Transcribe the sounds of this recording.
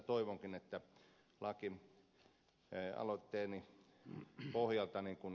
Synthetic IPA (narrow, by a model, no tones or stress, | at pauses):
t̪oiʋoŋkinet̪ːæ | lɑki | ɑ̰lot̪ːeːni | pohjɑlt̪ɑniŋkun